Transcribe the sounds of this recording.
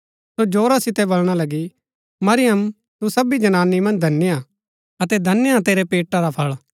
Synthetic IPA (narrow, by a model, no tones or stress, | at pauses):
sod͡ʒoːɾasɪt̪ɛbɐlɽ̃alɐɡi | mɐɾɪjəm | t̪usɐbid͡ʒɐnaːnːimɐ̃nd͡ʒd̪ʱɐnːɪja | ɐt̪ɛd̪ʱɐnːjãt̪eːɾɛpeːʈːaɾapʰɐɭ